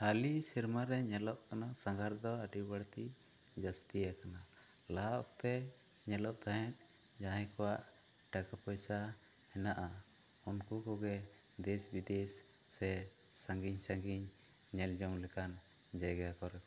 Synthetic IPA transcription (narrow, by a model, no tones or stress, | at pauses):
halisiɾmaɾɛɲɛlɔʔkanaʔsaŋɡaɾd̪ɔəɖibəɽt̪id͡ʒast̪ijakana | laʔt̪ɛ | ɲɛlɔʔt̪aɦɛ̃t̪̚ˀ | d͡ʒaɦãjkɔwaʔ | ɖakapɔjsaɛnaʔa | unkukɔɡɛ | d̪ɛsbid̪ɛsː | ɛsaŋɡiɲsaŋɡiɲɲɛld͡ʒɔwlɛkand͡ʒajɡaakɔɾ